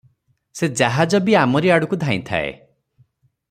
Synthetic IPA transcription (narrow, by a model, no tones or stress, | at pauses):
sed͡ʒaɦad͡ʒɔbiamɔɾiaɽukud̪ʱaĩt̪ʰa̰ḛ